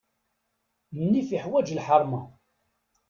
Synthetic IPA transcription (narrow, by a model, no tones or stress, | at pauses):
mənːifiħwæd͡ʒəlħəɾˤmɑ